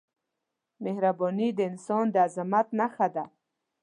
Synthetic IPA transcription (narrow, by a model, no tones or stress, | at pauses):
mehɾabɔnid̪əɪnsɔnd̪əazɪmat̪naxad̪a